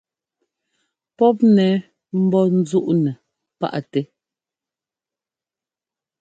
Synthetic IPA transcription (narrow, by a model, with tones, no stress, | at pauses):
pɔ˦p̬̚nɛ˨˦ | m̩˦bɔ˦n̩˦zu˦ʔnɛ˨ | pa̰˦˨ʔa˨tɛ˦